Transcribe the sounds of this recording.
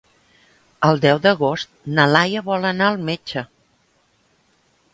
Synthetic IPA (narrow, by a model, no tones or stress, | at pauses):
əlˠd̪ɛwd̪əɣost̪̚nəlajəβɔlənaəlˠmed͡ʒə